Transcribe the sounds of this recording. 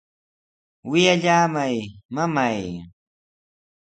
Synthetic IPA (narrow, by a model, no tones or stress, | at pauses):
wɪjaʎaːmajmamaj